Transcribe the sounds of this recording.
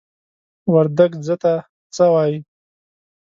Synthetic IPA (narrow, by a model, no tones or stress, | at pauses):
waɾd̪aɡzət̪a | t͡səwɑji